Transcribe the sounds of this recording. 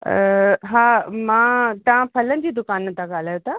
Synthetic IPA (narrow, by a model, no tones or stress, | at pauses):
ɦaːmãːt̪ɐʋãpʰɐlənɪ̆d͡ʑiːd̪ʊkaːnt̪ʰãɡaːl̤aːjot̪ʰa